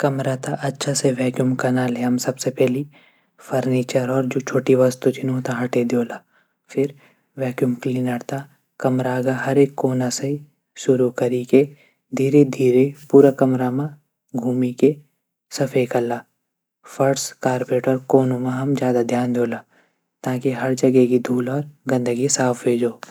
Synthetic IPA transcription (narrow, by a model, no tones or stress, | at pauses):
kɐmɾat̪aʔɐtːʃʰaseʋɛːkjumkɐnaːleɦɐmsɐbsepɛːli | fʰɐɾniːt͡ʃəɾɔːɾd͡ʒoːt͡ʃʰoːʈiʋɐst̪ut͡ʃ̪ʰinot̪aɦɐʈed̪joːlaː | fʰɪɾ | ʋɛːkjumkliːnəɾt̪a | kɐmɾaːɡaɦɐɾeːkːoːnasei | ʃʊɾukɐɾiːke | d̪ʱiːɾed̪ʱiːɾepuːɾakɐmɾamã | ɡʱuːmike | sɐpʰekɐɾlaː | fʰɐɾskaːɾpeːʈɔɾkoːnõmãɦɐmd͡ʒjaːd̪ad̪ʱjaːnd̪joːla | t̪ãːkiɦɐɾd͡ʒɐɡekid̪ʱuːlɔːɾɡɐ̃nd̪əɡisaːpʰbeːd͡ʒoː